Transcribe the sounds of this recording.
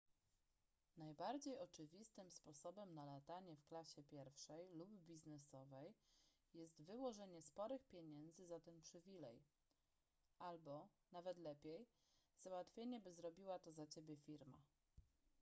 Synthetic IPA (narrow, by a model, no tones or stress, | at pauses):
najbaɾd͡ʑejɔt͡ʂɘvʲist̪ɘmspɔsɔbɛmnalat̪aɲɛfklaɕɛpʲjɛɾfʂɛjlubːʲiznɛsɔvɛj | jɛst̪vɘwɔʐɛɲɛspɔɾɘxpʲjeɛɲɛnd̪zɘzat̪ɛnpʂɘvʲilɛj | ʔalbɔnavɛt̪lɛpʲjej | zawat̪fʲjeɲɛbɘzɾɔbʲiwat̪ɔzat͡ɕebʲjɛfʲiɾma̰